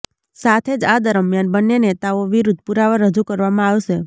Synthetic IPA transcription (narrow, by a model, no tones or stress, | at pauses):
sat̪ʰed͡ʒad̪əɾəmjanbənːenet̪aoʋiɾud̪ʱpuɾaʋəɾːəd͡ʒukəɾʋamãaʋʃe